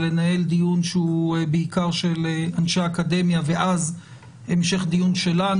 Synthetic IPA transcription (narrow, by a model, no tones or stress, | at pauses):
le̞nae̞ld̪ijunʃeubeikaʁʃelanʃeaːkad̪e̞mjaveʔaz | emʃe̞χd̪ijunʃe̞la